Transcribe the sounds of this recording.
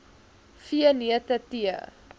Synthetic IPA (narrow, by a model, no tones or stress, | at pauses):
fiəniətətiə̰